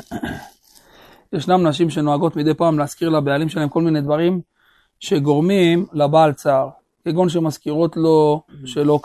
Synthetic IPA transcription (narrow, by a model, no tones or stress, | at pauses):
jeʃnamnaʃ̬imʃe̞no̞aɡo̞t̪mid̪ejpaːmleaskiʁlabealimʃelaemko̞lmine̞d̪vaʁim | ʃe̞ɡo̞ʁmimlabaːlt͡saʁ | keɡonʃ̬e̞maskiʁo̞t̪loʃelo̞k